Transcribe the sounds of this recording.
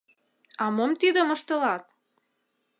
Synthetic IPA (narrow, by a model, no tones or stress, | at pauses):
ɑmomt̪id̪əmə̆ʃt̪əlɑt̪